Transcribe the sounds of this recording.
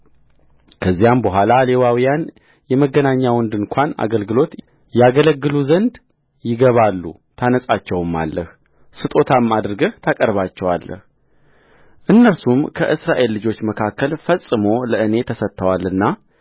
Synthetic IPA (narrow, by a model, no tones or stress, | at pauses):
kʰəzːijambəɦʷalale̞wawijan | jɛməɡːənaɲːawɔnd̪ɨnkʰʷana̰ɡəlɡɨlo̞t̪ | jaɡələɡːɨluzənd̪ | jɪɡəβalːṵ | t̪ʰanəsʼat͡ʃːɛwɨmːa̰lːəh | sɨt̪ʼo̞t̪ʰamad̪ɾɡəht̪ʰakʼəɾβat͡ʃːɛwa̰lːə̰h | ʔɨnːəɾsumkʰəʔɨsɾaʔe̞lːɨd͡ʒo̞t͡ʃːməkʰakːəlfəsʼɨmo̞ləɨne̞t̪ʰəsət̪ʰːəwalːɨnːa